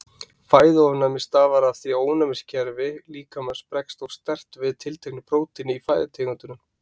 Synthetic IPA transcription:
faːjðɪɔvnamɪst̪aːvaɾaθiaoːwnamɪscʰɛɾvɪliːkamɛðspɾɛkst̪owst̪ɛr̥t̪vɪðt̪ʰɪlt̪ʰeknɪpɾoːwt̪ʰɪnɪifaːjðɪt̪ʰeːkʏnt̪ʏnʏm

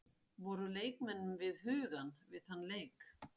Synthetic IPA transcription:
vɔɾʏleːjkmɛnːʏmvɪðhʏːɣanvɪðhanːleːjk

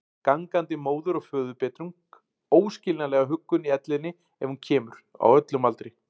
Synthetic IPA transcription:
kaŋkant̪ɪmoːwðʏɾɔɣfœːðʏpɛːt̪ɾuŋk | oːwscɪlnalɛɣaɦʏkːʏniɛt̪lɪnːɪ | ɛ̰v̥huncʰɛːmʏɾ̥a̰wœt̪lʏmalt̪ɾɪ

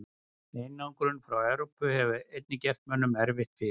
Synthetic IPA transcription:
ejnːawŋkɾʏnfɾawɛwɾowpʏhɛvʏejt̪̚nɪcɛft̪mɛnːʏmɛɾvɪht̪fɪ

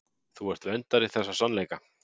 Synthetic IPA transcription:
θuɛɾ̥t̪vɛnt̪aɾiθɛsːasanlejka

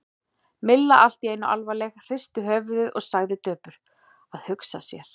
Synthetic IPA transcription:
mɪlːaʔal̥t̪ieːjnʏʔa̰lvalɛxr̥ɪst̪ʏɦœːvðʏðɔɣsaɣðɪt̪œːpʏɾ̥ | aðhʏksasjɛɾ̥

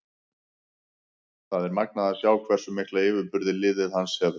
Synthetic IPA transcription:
θaðɛɾmak̚naðasjaːwkʰvɛr̥sʏmɪhklaɪːvʏɾpʏɾðɪlɪːðɪðhansɛðʏ

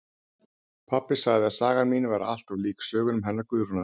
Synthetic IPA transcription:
pʰapːɪ̥saɣjðɪaðsaːɣaɾmiːnɪvaɾaa̰l̥t̪avliːksœːɣʏnʏmɦɛnːaɾkʏːɾna

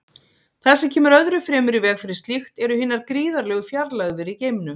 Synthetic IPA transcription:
θasɛmcʰɛːmʏɾœðɾʏfɾɛːmʏɾivɛːxfɪɾɪ̥st̪lixt̪ɛɾʏhɪːnːaɾkɾiːðaɾlɛːɣʏfjaɾlaɣvɪɾiceːjmɪnʏm

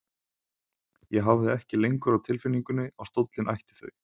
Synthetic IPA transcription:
jɛɣɦavðɪɛhcɪlejŋkʏɾawt̪ʰɪlfɪnːiŋkʏnːɪʔawst̪owt̪lɪnʔa̰jht̪ɪ̥θœ̰j

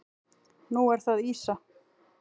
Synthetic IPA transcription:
nuɛɾ̥θaðiːsa

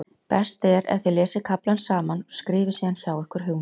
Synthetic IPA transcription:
pɛst̪ɛɾɛ̰θɪlɛːsɪkʰaplansaːmanskɾɪːvɪsiːançaːwɛhkʏɾ̥ɦʏwm

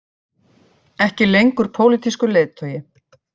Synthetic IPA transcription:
ɛhcɪlejŋkʏɾ̥pʰoːwlit̪iskʏleːjðt̪ʰœwjɪ

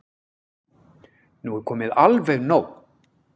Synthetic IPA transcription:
nuɛɾkʰɔːmɪðalveɣnoːw

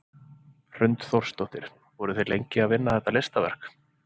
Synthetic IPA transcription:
r̥ʏnt̪θowr̥st̪ɔht̪ɪɾ̥ | vɔɾʏθejlḛjɲcɪaðvɪnːaθɛht̪ːalejst̪avɛ̰r̥k

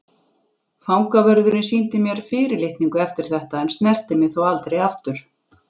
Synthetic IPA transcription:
fawŋkavœɾðʏɾɪnsiːnt̪ɪmjɛɾ̥fɪːɾɪɾlɪht̪niŋkʏɛft̪ɪɾ̥θɛht̪aɛnst̪nɛr̥t̪ɪmɪðθawalt̪ɾejaft̪ʏɾ̥

